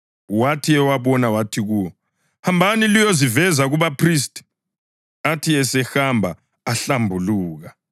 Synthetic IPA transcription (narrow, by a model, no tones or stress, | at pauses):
watʰiɛwaβɔnawatʰiɣuwɔ | hambʱanilijozivɛzaɣuβapʰristʼ | atʰiɛsɛxambʱaː | ɬambʱuluːɣa